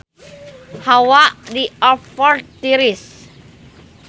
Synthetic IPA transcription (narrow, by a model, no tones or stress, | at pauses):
hawaʔdiɔfɔrt̪iɾis